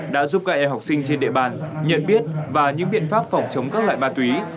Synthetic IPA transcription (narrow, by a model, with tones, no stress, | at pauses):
ɗa̰ː˧˥zu˦˥p̚ka̰ː˧˨ʔɛ˧mɦa˨˩wk͡p̚sï˧ŋ̟t͡ɕe˧nɗḭ˧˨ɓaː˨˩nɲə̰˧˨nɓi˦˥ət̚vaː˨˩ɲɨ̰˧˥ŋɓḭ˧˨ənfaː˦˥p̚fɔ˨˩wŋ͡mt͡ɕə˨˦wŋ͡mkaː˦˥k̚lwa̰ː˧˨jmaː˧t̪wi˨˦